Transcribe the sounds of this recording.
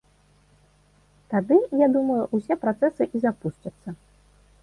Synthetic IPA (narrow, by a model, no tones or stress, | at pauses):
t̪ad̪ɨjad̪umɐjuʔusʲɛpɾat̪sɛsɨʔizapust͡ʃɐt̪sːɐ